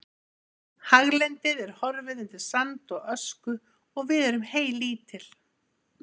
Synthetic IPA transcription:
haɣlɛnt̪ɪðɛɾ̥hɔɾvɪðɛnt̪ɪɾ̥sant̪ɔɣœskʏ | ɔɣvɪðɛɾʏmheːjliːt̪ʰɪl̥

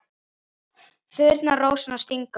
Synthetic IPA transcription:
fʏːɾt̪naroːwsanast̪iŋka

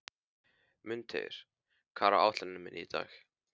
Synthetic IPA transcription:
mʏnt̪ʰḛɾ̥ | kʰaːɾaʔaːwt̪lanʏmɪnʔit̪aːx

